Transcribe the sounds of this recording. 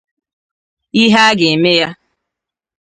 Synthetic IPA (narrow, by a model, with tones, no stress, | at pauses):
i˦ɦa˦ɡɪ˨e˨me˦ja˦